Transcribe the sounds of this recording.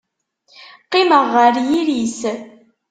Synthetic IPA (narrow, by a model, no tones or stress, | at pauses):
qɪməʁːəɾjiɾis